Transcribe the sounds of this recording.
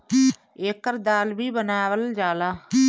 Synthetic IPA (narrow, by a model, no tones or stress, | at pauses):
eːkəɾd̪aːlbiːbənaːʋəld͡ʒaːlaː